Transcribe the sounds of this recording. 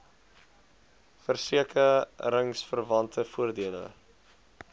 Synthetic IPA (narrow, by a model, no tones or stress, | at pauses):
fərsiəkəɾəŋsfərvɐntʰəfuərdiələ̰